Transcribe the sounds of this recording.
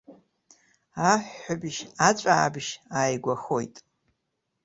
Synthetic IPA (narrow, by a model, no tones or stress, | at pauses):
aħːabʒat͡ɕʷʼaːbʒaːjɡʷaxojtʼ